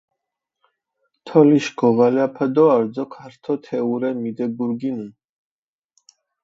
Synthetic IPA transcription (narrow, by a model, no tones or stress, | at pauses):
t̪ʰɔliʃɡɔvalɛapʰad̪ɔaɾd̪zɔkʰaɾt̪ʰɔt̪ʰɛuɾɛmid̪ɛɡuɾɡinun